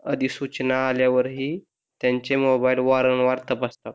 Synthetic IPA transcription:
əd̪ʱisut͡ɕnaːljaʋəɾɦiː | t̪jãɲt͡ɕemobailʋaɾəɳʋaɾt̪əpast̪a

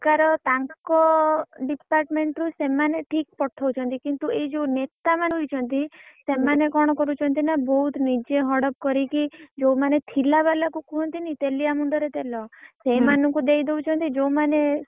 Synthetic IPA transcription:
kaɾɔt̪aŋkɔɖipaɾʈmeɳʈɾusemaneʈʰik̚pɔʈʰɔwt͡ʃʰɔnt̪ikint̪ued͡ʒonet̪amanɦojt͡ʃʰɔnt̪isemanekɔɽ̃ɔkɔɾut͡ʃʰɔnt̪inabɔɦut̪ʰnid͡ʒeɦɔɽɔp̚kɔɾikid͡ʒomanet̪ʰilaβalakukuɦɔnt̪init̪eliamuɳɖɔɾet̪elɔsemanɔŋkud̪ejd̪eut͡ʃʰɔnt̪id͡ʒowmane

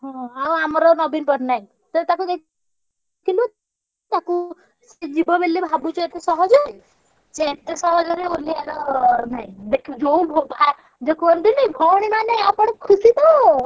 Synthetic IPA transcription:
ɦɔ̃aw̃amɔɾɔnɔbinpɔʈnaĩ | t̪ɔt̪akud̪ek | kilu | t̪aku | sed͡ʒibɔbelːibʱabut͡ʃʰɔet̪esɔɦɔd͡ʒɔ | t͡ʃeet̪esɔɦɔd͡ʒɔɾeolialɔnaĩd̪ekʰid͡ʒoũbʱopae | d͡ʒekonʈ̪inibʱɔɽ̃imaneapɔɽɔkʰusid̪ɔo

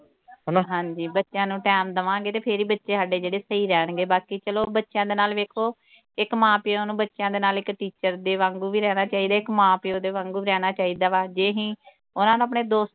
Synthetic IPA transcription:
ɦnɦãːɲd͡ʒiːbətːʃjãːnũːʈɛːmd̪əʋãːɡeːt̪eːpʰɪɾiːbətːʃeːɦəɖeːd͡ʒeːɽeːsəiːɾɛːɳɡeːbaːkiːt͡ʃəloːbətːʃjãːd̪eːnaːlʋeːkʰoː | ɪkmãːpioːnũːbətːʃjãːd̪eːnaːlɪkʈiːt͡ʃəɾd̪eːʋãːŋɡuːʋiːɾɛːnaːt͡ʃaːiːd̪aːɪkmãːpioːd̪eːʋãːŋɡuːiɾɛːnaːt͡ʃaːiːd̪aːʋaːd͡ʒeːɦĩː | ʊnãːnũːəp̬ɳeːd̪oːst̪

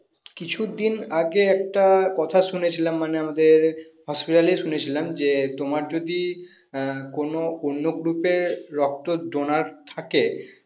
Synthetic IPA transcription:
kit͡ɕʰud̪inaɡeɛk̚ʈakɔt̪ʰaʃunet͡ɕʰilamːaneamad̪eɾhɔspiʈaleʃunet͡ɕʰilamd͡ʑet̪omaɾd͡ʑod̪i | konoonːoɡɾupeɾːɔk̚t̪oɖonaɾt̪ʰake

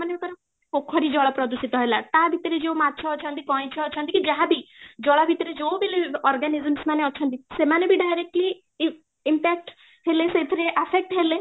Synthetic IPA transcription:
manekɔɾɔ | pokʰːɔɾid͡ʒɔɭapɾɔd̪usit̪ɔɦɔelat̪abʱit̪ɔɾed͡ʒewmat̪ːt͡ʃʰɔːt͡ʃʰɔ̃nt̪ikɔĩt͡ʃʰɔːt͡ʃʰɔnt̪ikid͡ʒaɦãbʱid͡ʒɔɭabʱit̪ɔɾed͡ʒewbiliɔɾɡanizəmsmaneɔːt͡ʃʰɔnt̪̬isemanebʱiɖajɾek̚ʈli | impɛk̚ʈ | ɦeleset̪ʰɔɾeʔapʰek̚ʈɦele

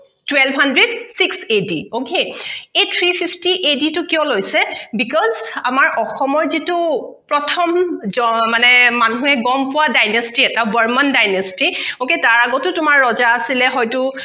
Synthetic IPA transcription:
twɛlbɦandɹɛdsiksediokeejtʰɹipʰipʰtiʔeditʊkijɔ̃lojsɛbikɔzamaɹʔɔxɔmɔɹzitupɹɔtʰɔmzɔmanɛmanuɦɛɡɔmpʊwadajnɔstiɛtabɔɹmandajnastioketaɹaɡɔtʊtʊmaɹːɔzaːsilɛɦɔjtʊ

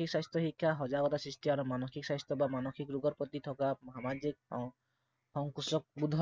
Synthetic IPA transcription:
iksajst̪ɔɦikʰːaɦɔd͡ʒaɡɔt̪asɾisʈiaɾumanɔkʰiksajst̪ɔbamanɔkʰikɾuɡɔɾpɔt̪it̪ʰɔkamɦamad͡ʒik̚ | hɔŋkusɔk̚bud̪ʱɔ

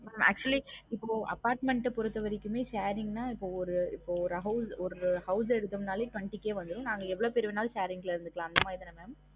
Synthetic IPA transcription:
meːmæ̰ːk̚t͡ʃʊɐliɪpːoːɐ̰pːaːɾʈmɛɳʈːpɔɾɯt̪ːɐʋɐɾɪkːɯmeːʃeːɾɪŋɡnaːɪpːoːɔɾɯɪpːoːɔɾɦɐʊsɔɾɯɯhɐʊs̬ɛɾɯðɯmnaːleːʈʋɐɳʈikːeːʋɐnd̪ɯɾõnaːŋɡɐɛʋːɐɭoːpɛɾɯʋɪnaːlʃeːɾɪŋɡɐlɪɾɯnd̪ɯkːɐɭãːɐnd̪ɐmaːɪðɐnɐmeːm

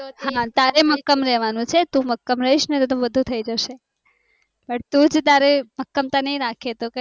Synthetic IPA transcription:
t̪oɦãt̪aɾeməkːəmɾɛɦʋanũt͡ʃʰet̪ũməkːəmɾəɦiʃnet̪ot̪ũʋəd̪ʱũt̪ʰəid͡ʒəʃe | pəɳt̪ũd͡ʒt̪aɾeməkːəmt̪anəiɾakʰet̪oke

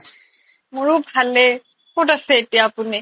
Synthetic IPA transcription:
mʊɹʊbʱalɛ | kotasɛːtijaːpʊni

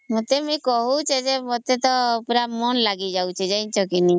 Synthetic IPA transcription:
mot̪emujkɔɦut͡ʃʰed͡ʒemot̪et̪ɔpɾamɔnlaɡid͡ʒawt͡ʃʰed͡ʒajnt͡ʃʰɔkini

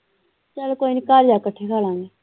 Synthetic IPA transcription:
t͡ʃəlkoːinɪkaːɾd͡ʒaːkəʈʰːeːkʰaːlãːŋɡeː

